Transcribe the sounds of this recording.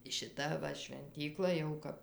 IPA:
ˈʃʲɪtɐ ˈʋɐ ʃʲʋʲɛnʲˈtʲiːklˠɐ jɛʊ ˈkɐp

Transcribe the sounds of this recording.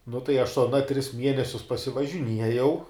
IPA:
nʊ tɐɪ ɐʃ sʊ ɐˈnɐ tʲrʲɪs ˈmʲiɛnʲɛsʲʊs pɐsʲɪʋɐʒʲɪˈnʲiɛjɛʊ

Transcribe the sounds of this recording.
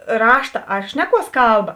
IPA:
ˈrɑːʃtɐ ɐr ˈʃʲnʲæːˌkuɔs ˈkɐlˠˌbɐ

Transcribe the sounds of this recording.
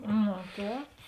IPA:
noː ˈtʲɛːp

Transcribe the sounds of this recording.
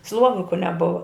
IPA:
ˈslˠuɔʋʲɪkʊ nʲɛˈbʊʋɐ

